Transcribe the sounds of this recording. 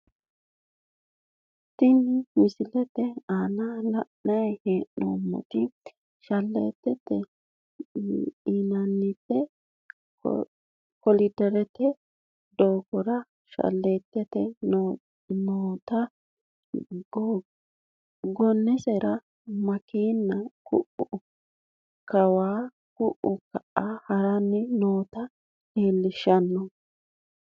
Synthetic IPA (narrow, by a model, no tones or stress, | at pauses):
t̪ːɪnɪmɪsɪlɛt̪ːɛaːnalɐʔːɐheːʔo̰ːmːɔ̰t̪ɪ | ʃɐlːḛːt̪ːɛt̪ːɛ | inɐnːɪt̪ːɛ̰ | kɔlɪd̪ɛɾɛt̪ɛ | d̪oːɡɔɾɐ | ʃɐ̰lːet̪ːɛt̪ɛ | noːt̪ɐ | ɡɔnːɛsɛɾɐ | mɐkiːnːɐkʊ̰ʔʊ | kɐwaː | kʊʔʊkɐʔahɐɾɐnːɛnoːt̪ɐ | heːlːɪʃːɐnːɔ